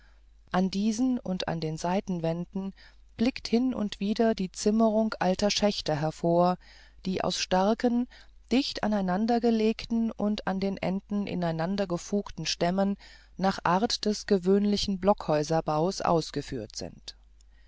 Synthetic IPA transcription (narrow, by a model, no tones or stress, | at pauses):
ʔandiːzn̩ʊ̰nta̰ndeːnzaɪtn̩vɛndn̩ | b̥lɪkthɪnʊ̰ntv̥iːdɐdiːt͡sɪməʁʊŋkʔaltɐʃɛçtɐɦɛɐfoːɐ | d̥iːʔa̰ʊsʃtaɐkən | d̥ɪçta̰naɪnandɐɡəleːktn̩ʊntandeːnʔɛ̰ndn̩ʔɪ̰naɪnandɐɡəfuːktn̩ʃtɛmənː | aːχʔaːɐtd̥ɛsɡ̥əvøːnlɪçn̩blɔkhɔʏzɐbaʊsʔa̰ʊsɡ̥əfy̰ːɐtz̥ɪ̰nt